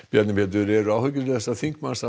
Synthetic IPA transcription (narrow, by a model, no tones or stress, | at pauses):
pjaɛt̪nɪmpʰɛt̪ʏɾɛɾʏawhœc̬ːʏt̪ɪθɛsːaθiŋkmansa